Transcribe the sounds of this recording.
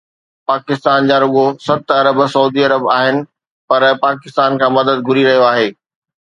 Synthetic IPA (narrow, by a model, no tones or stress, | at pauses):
paːkɪst̪aːnd͡ʑaːɾʊɠosɐt̪ɐɾəbsɐuːd̪iɐɾəbaːɦɪnɪ̆ | pɐɾpaːkɪst̪aːnkʰãːmɐd̪əd̪̚ɡʱʊɾiɾɐɦijoaːɦeː